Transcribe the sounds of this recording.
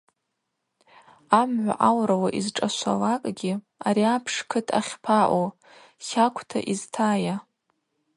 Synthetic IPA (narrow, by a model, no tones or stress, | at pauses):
amʕʷa̰ʔawɾawaʔizʈ͡ʂʼaʃʷa̰lakʼɡʲi | aɾiapʰʂkʰɨtʰa̰χʲpʰaʔo | χʲakʷʰtʰa̰ʔiztʰaːja